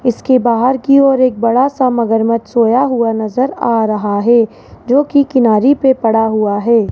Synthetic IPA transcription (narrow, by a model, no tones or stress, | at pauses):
ɪskebaːɦəɾkiɔːɾeːk̚bɐɽasamɐɡəɾmət̪soːjaɦuanɐzəɾaːɾɐɦaɦɛː | d͡ʒoːkikɪnaːɾipepɐɽaɦuaɦɛː